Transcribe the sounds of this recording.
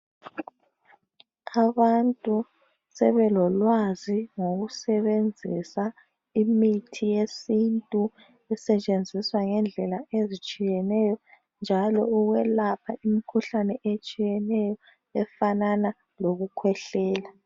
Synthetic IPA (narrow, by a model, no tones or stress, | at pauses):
aβantʼu | sɛβɛlɔlwaziŋoɣusɛβend͡zʱisa | imitʰijesintʼu | ɛsɛt͡ʃʼend͡zʱiswaŋɛnd͡ɮʱɛlaezit͡ʃʼijɛnɛjɔ | nd͡ʒʱalɔuɣwɛlapʰaʔimikʰuɬanɛʔet͡ʃʼijɛnɛjɔ | ɛfanana | loɣukʰwɛɬɛːla